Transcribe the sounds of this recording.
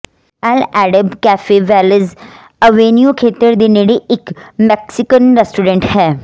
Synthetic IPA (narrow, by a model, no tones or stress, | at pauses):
alæɽəbkæfeʋælid͡z | əʋenjukʰet̪əɾd̪iniɽiːkmɛksikənɾesʈuɾeɳʈhɛ